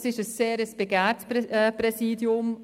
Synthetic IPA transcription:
sɪʃəsːeːɾəsb̥eɡɛːtːprɛsiːdjʊm

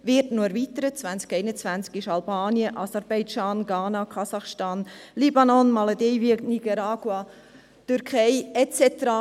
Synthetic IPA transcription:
vɪɾtnoɛɾvit̪əɾət͡svænt͡skɛɪnət͡sʋænt͡skɪʃɑlbɑːniəʔɑsɛɾbɛɪd͡ʒɑːnɡɑːnɑkʰɑsɑχʃtɑːnlibɑnɔnmɑladɛjʋiəkniɡɑɾɑːɡ̥wɑ | t̪øɾkʰɛjɛt͡sɛt̪əɾa

